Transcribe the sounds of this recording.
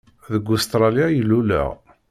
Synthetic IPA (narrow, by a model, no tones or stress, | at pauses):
ðəɡːʊst̪ɾˤɑljajilːulə̰ʁ